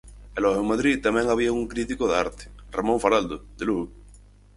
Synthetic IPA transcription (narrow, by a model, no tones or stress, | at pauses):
elohomaðɾit̪amjeŋaβ̞iauŋkɾit̪ikoða̰ɾt̪e̥ramõɱfaɾald̪oðelu